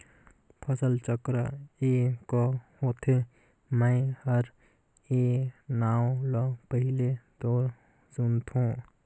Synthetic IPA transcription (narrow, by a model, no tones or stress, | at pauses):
pʰəsəlt͡ʃəkɾəekɔhot̪ʰe | məɪhəɾ | enaːolɔpəɦiled̪oːɾ | sunt̪ʰũ